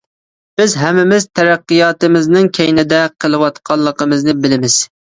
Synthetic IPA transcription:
b̥ɪzɦɛmːɪmɪzt̪ʰɛɾæqːɨjɑːt̪ɨmɪznɨŋkʲʰɛjnɪd̪ɛqʰəlˠɨwɑt̪qʰɑlˠːəqəmɨznɨbɪlɪmɪz̥

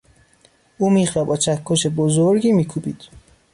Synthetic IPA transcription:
ʔuːmiːχjɒːbɒːt͡ʃʰækʰːoʃebozoɾɟiːmiːkʰuːbiːd̪̥

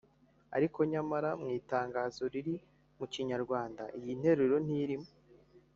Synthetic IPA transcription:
a̰ɾiko̞ɲamaɾamŋiːtaːŋɡaːzo̞ɾiɾi | muciɲaɾɡwaːndaʔijin̥he̞ɾeɾo̞n̥iɾimo

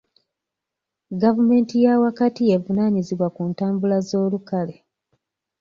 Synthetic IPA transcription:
ɡavume̞ːntijawakatie̞vunaɲiziβwakuntaːmbulazo̞ːlukale̞

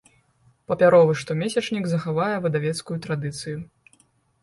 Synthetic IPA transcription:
pɐpʲaɾɔvɨʂt̪ɔmʲesʲɛt͡ʂnʲiɡzɐxavajɛvɐd̪avʲɛt̪skujut̪ɾad̪ɨt̪sɨju

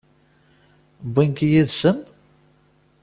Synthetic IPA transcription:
binkjiðsən

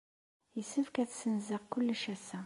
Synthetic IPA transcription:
jəsəfkæθsənzəʁkʊlːʃæsæ

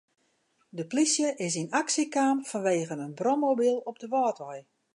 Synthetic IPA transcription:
dəplisjəʔɪs̬inaksikaːmfɔnʋeːɣənənbrɔmobilˠɔp̚dəʋɔːtʋɔj

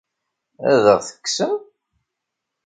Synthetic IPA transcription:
æ̰ðəʁθə̥kːsəm

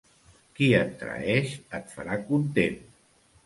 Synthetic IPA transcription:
kiənt̪ɾə̰ɛʃət̪fa̰ɾakunt̪en

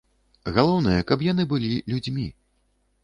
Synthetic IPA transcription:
ɣalˠɔwn̪ɨjɐkɐpjanɨbɨlʲilʲud͡zʲmʲi

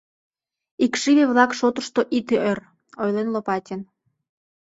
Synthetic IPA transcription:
ikʃiβeβlɑkʃot̪əʃt̪oʔit̪eʔør | ojlenlopɑt̪ʲen

